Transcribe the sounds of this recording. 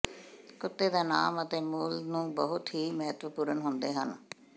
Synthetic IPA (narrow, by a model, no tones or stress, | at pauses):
kʊt̪ːeːd̪aːna̰ːmət̪eːmuːlnũːbəɦʊt̪ɦiːmɛɦət̪ʋəpuːɾənɦʊnd̪eːɦə̰n